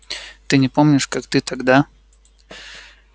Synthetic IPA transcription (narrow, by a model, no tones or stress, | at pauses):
t̪ɨnʲɪpomnʲɪʂkakt̪ɨt̪aɡd̪a